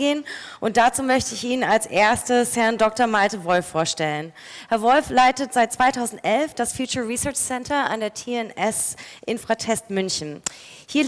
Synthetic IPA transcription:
eːnʔʊnt̚d̥at͡suːmœçtəɪçʔiːnənalsʔeːɐstəshɛɐndɔk̚tɐmaltəvɔlfːoːɐʃtɛlən | hɛɐvɔlflaɪtətz̥aɪt̚t͡sv̥aɪtʰaʊzn̩tʔɛlfd̥asfjuːt͡ʃɐʁisœɐt͡ʃsɛntʰɐʔa̰ndeːɐtʰiːɛnɛsʔɪnfʁ̥atʰɛstmʏnçn̩ | hiːɐ

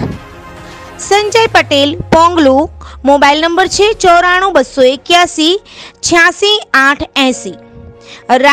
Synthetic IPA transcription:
sə̃ɲd͡ʒəjpəʈelpɔ̃ŋɡlumobailnəmbəɾt͡ʃʰet͡ʃɔɾaɽ̃ũbəsoekjasit͡ɕʰjãsĩãʈʰɛ̃si | ɾ

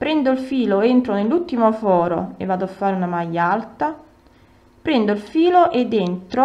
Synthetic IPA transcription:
pɾɛnd̪oilfiːloent̪ɾonelːut̪ːimofɔːɾo̰ḛvːaːd̪ʊafːaːɾunamajːaalt̪a | pɾɛnd̪oilfiːloʔed̪ent̪ɾo

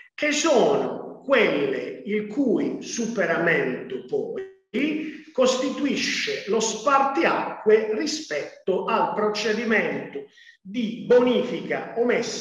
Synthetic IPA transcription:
k̟ɪsɔːnʊ̰kwelːɪ̰ilkʰujsupɛɾamɛnt̪ʊpɔː | ikost̪it̪uiʃːɪlospart̪iakːwerispɛt̪ːʊʔalpɾɔt͡ʃɛd̪imɛnt̪ʊ | d̪iboniːfika̰ɔmɛsː

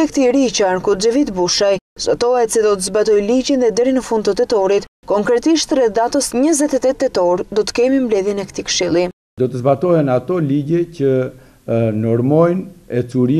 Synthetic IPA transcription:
ɛkt̪iɾit͡ʃankud͡ʒəvit̪buʃajzɔt̪ɔɛt̪sid̪ɔt̪əzbat̪ɔjlid͡ʑinðɛd̪ɛɾinəfund̪t̪ət̪ɛt̪ɔɾit̪kɔŋkɾɛt̪iʃt̪rɛθd̪at̪ɔsɲəzɛt̪ɛt̪ɛt̪ːɛt̪ɔɾd̪ɔt̪ə̥kɛmimblɛðjɛnɛkt̪ikə̥ʃilˠi | d̪ɔt̪əzbat̪ɔhɛnat̪ɔliɟɛcə | nɔɾmɔjnɛt͡suɾi

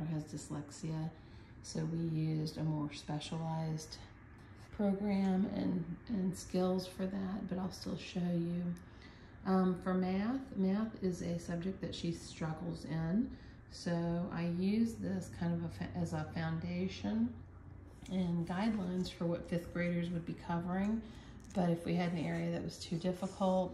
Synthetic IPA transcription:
əɨzdɨslɛksiɨ | soʊwijʉzdɨmɔɹspɛʃəl̩aɪzd̥ | pʰɹ̥oʊɡɹæ̃mɨ̰̃nʔɨ̃nskɪlˠz̥fə˞ðæt̚b̥ʌɾaɪlˠstɪ̰lˠʃoʊjʉ | ʔfə˞mæθmæθɪzɨsʌb̚d͡ʒɨk̚ðɨtʃistɹ̥ʌɡl̩ˠzɪ̃n | soʊa̰ɪjʉzðɪskʰãɪ̃ndʌvəfʔɨzəfãʊ̃ndeɪʃɨ̃n | ɨ̃nɡaɪdˡlãɪ̃nz̥fə˞wʌtfɪθɡ̥ɹeɪɾə˞zwɨd̚bikʰʌvə˞ɪ̃ŋ | b̥ʌɾɨfwiɨɾɨ̃n̩ɛɹiɨðɨʔ̚wʌz̥tʰʉdɪfəkʰl̩ˠt̚

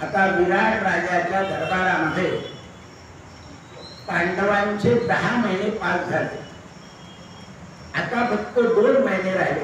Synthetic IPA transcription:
at̪aʋiɾaɳɾad͡ʑjat͡ɕjad̪ʱəɾbaɾaməd̪ʱːe | paɳɖəʋat͡ɕed̪əɦaməɦinepasd͡zʱalḛ | at̪afək̚t̪əd̪onməɦineɾaɦile

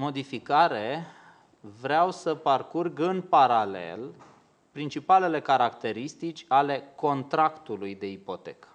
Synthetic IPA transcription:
mo̞d̪ifikaɾe̞ | vɾeawsəparkurɡɨnpaɾale̞̰l | pɾint͡ʃipale̞le̞kaɾakt̪e̞ɾist̪it͡ʃʲale̞ko̞nt̪ɾakt̪ulujd̪e̞ipo̞t̪e̞̰kə̥

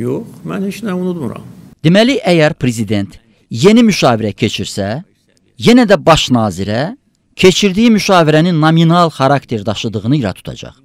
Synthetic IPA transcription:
joχmæ̰nhet͡ʃnæunut̪mṵɾɑ̰md̪̥emæliʔæjæɾpʰɾezid̪e̞nt̪ | je̞nimyʃɑːviɾæcʰe̞t͡ʃʰiɾsæ | je̞næd̪æbɑʃnɑːziɾæ | cʰe̞t͡ʃʰiɾd̪ijimyʃɑːviɾæninːominɑlˠxɑɾɑkt̪ʰe̞ɾd̪ɑʃɯd̪ɯɣɯnɯiɾɑ̰t̪ʰu̥t̪ʰɑ̰d͡ʒɑ̰χ

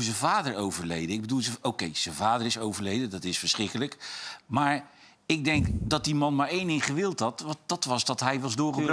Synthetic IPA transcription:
zəvaːdəɹowvəɹlejdəɪɡ̚bədulˠzəokejz̥əvaːdəɹɪsowvəɹlejdədɑtɪsfəɹsχɪkələkmaːɹ | ɪɡ̚dɛŋkdɑt̚dimɑnmaːɹejnɪŋχəʋɪlˠtɦɑtd̥ɑtʋɑsdɑtɦɛjʋɑzdʊːɹχəø

